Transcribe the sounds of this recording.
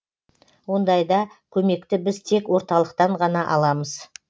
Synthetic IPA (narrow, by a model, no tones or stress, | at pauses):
wo̞nd̪ɑjd̪ɑkʲʰɵme̞kt̪ɪbɪzt̪ʰe̞kwo̞ɾt̪ɑlˠəqt̪ɑɴʁɑnɑʔɑ̰lˠɑməz̥